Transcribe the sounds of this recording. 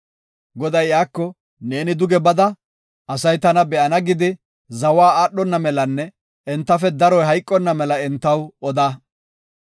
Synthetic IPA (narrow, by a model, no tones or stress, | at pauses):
ɡɔd̪ɐjjaːkːɔ | ne̞ːnɪd̪ʊɡɛbɐd̪ɐ | ʔɐsɐjt̪ɐnɐbɛʔɐnɐɡɪd̪ɪ | zɐwaːaːɗːɔnːɐmɛlɐnːɛ | ɛnt̪ːɐfɛd̪ɐɾɔjɦɐjkʼːɔnːɐmɛlɐɛnt̪ːɐwɔd̪aː